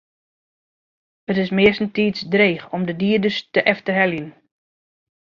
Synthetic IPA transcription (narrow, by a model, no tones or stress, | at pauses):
hətɪsmɪəsn̩tiːsdreːxɔmdədiːədəstəʔɛftərɦɛljən